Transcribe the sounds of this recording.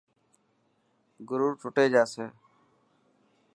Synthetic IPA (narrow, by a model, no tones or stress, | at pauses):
ɡʊɾuːɾʈʰʊʈeːd͡ʒaːsẽː